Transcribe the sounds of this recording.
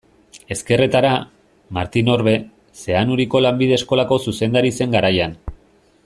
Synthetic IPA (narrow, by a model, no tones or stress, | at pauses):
e̞ske̞ret̪aɾa | ma̰ɾt̪ino̞ɾβe̞ | se̞anuɾiko̞lambið̞e̞ːsko̞lako̞suse̞nd̪aɾise̞ŋɡaɾajan